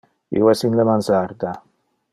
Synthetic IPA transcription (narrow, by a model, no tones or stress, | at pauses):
ḭwɛsinlemanzaɾd̪a